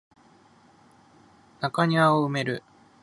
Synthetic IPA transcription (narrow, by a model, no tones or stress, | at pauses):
nakaɲ̟iaoɯ̟me̞ɾɯ